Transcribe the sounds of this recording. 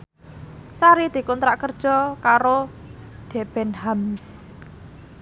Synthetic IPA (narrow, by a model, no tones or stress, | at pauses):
saɾid̪̥i̤kɔnt̪ɾaʔkərd̥ʒ̥ɔ̤kaɾo | d̪̥ɛ̤b̥ɛnhams